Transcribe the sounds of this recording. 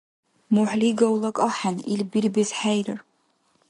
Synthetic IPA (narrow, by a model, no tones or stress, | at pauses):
muħliɡawlˠakʼaħanilbirbɨzħajrɨr